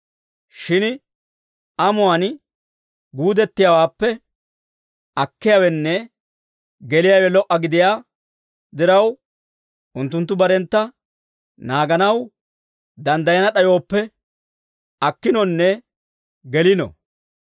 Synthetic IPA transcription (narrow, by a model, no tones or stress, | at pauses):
ʃɪn | ʔɐmʊwan | ɡuːd̪ɛt̪ːɪjawaːpːɛ | ɐkːɪjawɛnːɛ | ɡɛlɪjaːwɛlɔʔːɐɡɪd̪ɪjaː | d̪ɪɾɐw | ʔʊnt̪ːʊnt̪ːʊbɐɾɛnt̪ːɐ | naːɡɐnɐw | d̪ɐnd̪ɐjɐnɐɗɐjo̞ːpːɛ | ɐkːɪnɔnːɛ | ɡɛlɪnɔ̰